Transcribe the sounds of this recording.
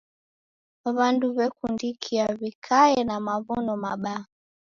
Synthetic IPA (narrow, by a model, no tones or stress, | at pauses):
aβanduβɛkundikʰiaβikʰaɛnamaβunɔmaɓa